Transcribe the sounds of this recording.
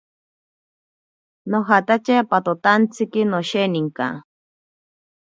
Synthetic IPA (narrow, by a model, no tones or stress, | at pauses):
noɦat̪at͡ʃepat̪ot̪ant͡sikinoʃeniŋka̰